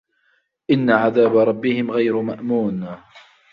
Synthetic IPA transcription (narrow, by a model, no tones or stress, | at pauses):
ʔɪnːaʕaðaːbaɾˤɑbːɪhɪmɣajɾmaʔmuːn